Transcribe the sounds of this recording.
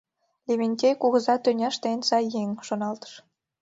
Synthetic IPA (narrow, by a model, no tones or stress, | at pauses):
lʲemʲenʲtʲejkuɣəzɑt̪ønʲæʃt̪ensɑjːeŋʃonɑlt̪ə̥ʃ